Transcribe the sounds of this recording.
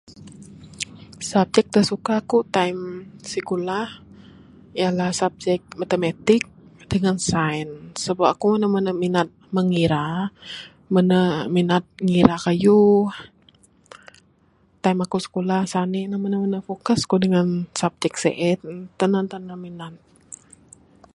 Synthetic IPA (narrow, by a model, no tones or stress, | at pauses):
sap̚d͡ʒɛk̚t̪əsukakut̪aimsikulah | ijalahsap̚d͡ʒɛk̚mat̪əmat̪ɪk̚d̥əŋansajnsəbapakumənəmənəminat̪̚məŋiɾa | mənəminat̪̚ŋiɾakajuh | t̪aimakusə̥kulahsaniʔnəmənəmənəfokəskudəŋansap̚d͡ʒɛk̚sḛʔɛt̪̚t̪ənant̪ənəminat̪̚